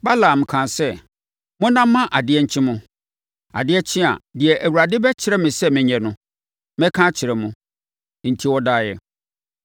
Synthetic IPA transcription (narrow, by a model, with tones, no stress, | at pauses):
ba˦lã˨m̩˨kʰã˨nsɛ˦ | mʊ̃˦nã˦m̩ː˦ã˦ʔa˨dɪ˨˦ɛ˦ɲ̩˨t͡ɕʰɪ̃˦mʊ̃˦ | a̰˨dɪ˦ɛ˦t͡ɕʰɪ̃˦a̰˨dɪ˨ɛ˨ʔæ˨wu˨ɾa˨dɪ˦bɛ˦t͡ɕʰɪ˨˦ɾɛ˦mɪ̃˨sɛ˦mɪ̃˨ɲɛ̃˨nʊ̃˦ | mɛ̃˦kʰã˦t͡ɕʰɪ˨ɾɛ˨mʊ̃˨ | n̩˨tʰi˦wɔ˦daː˦jɛ̰˨